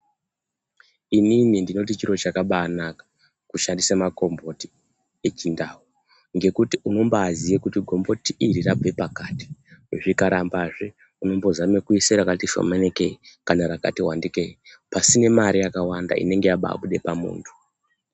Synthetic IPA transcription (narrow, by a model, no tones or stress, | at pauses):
ininindino̞t̬it͡ʃiɾo̞t͡ʃakaɓaːnakḁ | kuʃandisamako̞mbo̞ti | e̞t͡ʃindawu | ŋɡe̞kutiʔuno̞mbaazijekutiɡʱo̞mbo̞tiʔiɾirabʱepakati̥uʐikaɾambaʐe | uno̞mbo̞zamekuiseɾakatiʃo̰menekekanaɾaka̰tiwandikei | pasine̞maɾijakawanda̰ʔḭne̞ŋɡe̞jaɓa̰ːɓuɗe̞pamṵːntʰu̥